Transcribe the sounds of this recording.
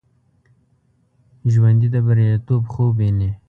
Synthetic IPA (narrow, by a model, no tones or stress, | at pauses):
ʒwand̪id̪əbaɾjat̪obxobene